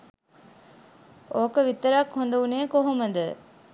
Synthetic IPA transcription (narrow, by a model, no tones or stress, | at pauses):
oːkəʋit̪ːəɾakhond̪ɐuneːkoɦoməd̪ə